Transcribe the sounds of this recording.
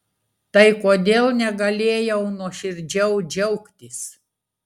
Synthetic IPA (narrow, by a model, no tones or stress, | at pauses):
t̪ɐɪkoːd̪ʲeːlˠnʲɛɡɐlʲeːjɛʊnuɔʃʲɪɾʲd͡ʒʲɛʊd͡ʒʲɛʊkt̪ʲɪs